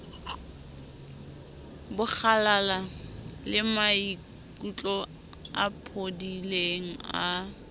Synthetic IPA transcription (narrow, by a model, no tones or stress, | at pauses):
bʊk͡xʰalalalɪmai | kʼut͡ɬʼɔ | a̰pʰodileŋ̩a